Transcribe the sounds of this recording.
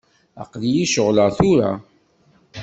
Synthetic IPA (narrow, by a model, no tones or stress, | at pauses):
a̰qðjiʃəʁləθʊɾa̰